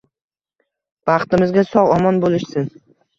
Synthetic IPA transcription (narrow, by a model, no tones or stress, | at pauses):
b̥ɑχt̪ɪmɪzɡʲasɒʁɒmɒnbolɪʃsɪn